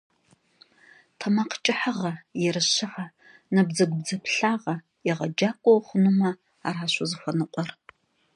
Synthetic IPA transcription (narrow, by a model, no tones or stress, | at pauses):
tʰɐmaqt͡ʃʼɪħaʁɐjɛɾɨɕɪʕɐ | nɐbzɐɡʷʊbd͡zɐpʰɬaːʁɐ | ɛʁɐd͡ʒaːkʷʼɔwχʷʊnumɐ | aːraːɕʷʊzɨxʷɔnɨqʷʼɔr